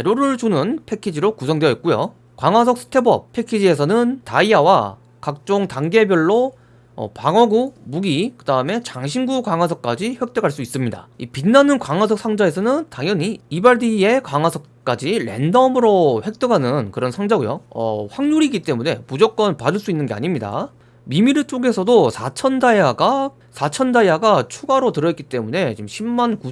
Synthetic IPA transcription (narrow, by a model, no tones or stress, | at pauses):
eɾoɾɯɭt͡ɕunɯnpʰe̞kʰid͡ʑiɾokusʰʌŋdweʌit̚k͈ujo̰ | kwaŋwas̬ʰʌk̚s͈ʰɯ̥tʰe̞bʌ̰p̚pʰe̞kʰid͡ʑie̞sʰʌnɯntaiawa | kak̚t͡ɕ͈oŋtaŋɡe̞bjʌɭːo | ʌ̰paŋʌɡumuɡikɯdaɯme̞t͡ɕaŋɕʰinɡukaŋwasʰʌk͈̚ad͡ʑiɸwe̞k̚t͈eɡaɭs͈uis͈ɯmɲida̰ipinːanɯnkwaŋwasʰʌk̚s͈ʰaŋd͡ʑae̞s̬ʰʌnɯntaŋjʌɲiibaɭdie̞kaŋasʰʌk̚k͈ad͡ʑiɾe̞̰ndʌmɯɾoɸwe̞k̚t͈eɡanɯnkɯɾʌnsʰaŋd͡ʑaɡɯjoʌ̰ɸwaŋɲuɾiɡit͈e̞mune̞mud͡ʑok͈̚ʌnpadɯɭs͈uinːɯnɡe̞a̰ɲimɲida̰ | mimiɾɯɭt͡ɕ͈oɡe̞sʰʌdosʰat͡ɕʰʌndajaɡa | sʰat͡ɕʰʌndajaɡat͡ɕʰuɡaɾotɯɾʌt̚k͈it͈e̞mune̞t͡ɕimɕʰimːanku